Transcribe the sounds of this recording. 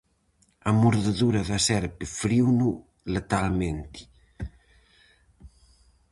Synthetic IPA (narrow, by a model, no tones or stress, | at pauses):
amuɾðeðuɾɐðasɛɾpɪfɾiwnu | let̪alment̪i̥